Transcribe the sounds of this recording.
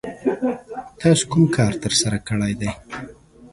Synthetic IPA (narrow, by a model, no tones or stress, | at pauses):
t̪ɑsu̥kʊmkʰɑːɾt̪əɾsaɾakəɽajd̪aj